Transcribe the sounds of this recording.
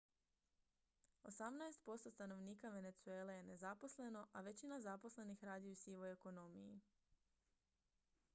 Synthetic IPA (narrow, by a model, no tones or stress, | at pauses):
o̞̰samnaest̪̚po̞st̪o̞st̪ano̞ʋniːkaʋe̞ne̞t̪sue̞ːle̞je̞ne̞zapo̞sle̞no̞ʔaʋe̞t͡ɕinazapo̞sle̞nixɾaːd̪ijusiʋo̞jeko̞no̞mijḭ